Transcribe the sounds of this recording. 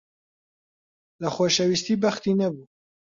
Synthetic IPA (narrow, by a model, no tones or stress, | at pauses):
ləxoːʃɛwist̪iːbɐxt̪iːnɐbuː